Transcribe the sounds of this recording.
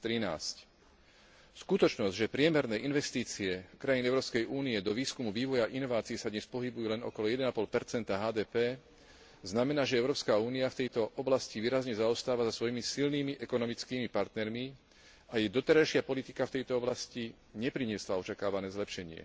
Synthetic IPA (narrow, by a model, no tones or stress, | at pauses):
t̪ɾina̰ːsc | skut̪ɔt͡ʃnɔzɟʒɛpɾɪɛmɛɾnɛːʔinʋɛst̪iːt͡siɛkɾajiːnɛʊɾɔːpskɛjʔuːniɛd̪ɔʋiːskumuʋiːʋɔjaʔinɔʋaːt͡sijɛsad̪ɲɛspɔɦibujuːlɛnɔ̰kɔlɔjɛd̪ɛnapɔlpɛɾt͡sɛnt̪aɦaːd̪ɛːpɛː | znamɛnaːʒɛɛʊɾɔːpskauːniaft̪ɛjt̪ɔʔɔblasciʋiːɾazɲɛzaɔst̪aːʋazasʋɔjimisilniːmiʔɛkɔnɔmit͡skiːmipaɾt̪nɛɾmi | ajɛjd̪ɔt̪ɛɾajʃɪapɔlit̪ikaft̪ɛjt̪ɔɔblasci | ɲɛpɾiɲɪɛslaɔt͡ʃakaːʋanɛːzlɛpʃɛɲɪɛ̰